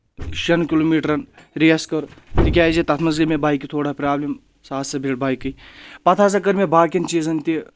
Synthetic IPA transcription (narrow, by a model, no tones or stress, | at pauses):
ʃɐnkiloːmiːʈɾɐnɾeːskɐɾt̪ik̬ʲaːd͡ʒit̪ɐt̪ʰmɐzɡɐmebaːjikit̪ʰoːɽaːpɾaːblʲim | saːt̪sɐbʱeːɽbaːjkɨjpɐt̪ʰaːsɐkɐɾmebaːkʲint͡ʃiːzɐnt̪i